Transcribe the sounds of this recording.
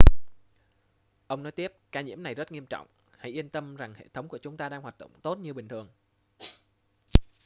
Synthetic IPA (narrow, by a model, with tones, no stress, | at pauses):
ʔə˧wŋ͡mnɔ˨˦jt̪i˦˥əp̚kaː˧ɲḭ˧˥əmna˨˩jzə˦˥t̚ŋi˧əmt͡ɕɔ̰˧˨wŋ͡m | ha̰˧˥jʔi˧ənt̪ə˧mza˨˩ŋhḛ˧˨t̪ʰə˨˦wŋ͡mku˧˩ət͡ɕʊ˨˦ŋ͡mt̪aː˧ɗaː˧ŋhwaː˨˩t̚ɗo̰˧˨ŋ͡mt̪o˦˥t̚ɲɨ˧ɓï˨˩ŋ̟t̪ʰɨ˨˩əŋ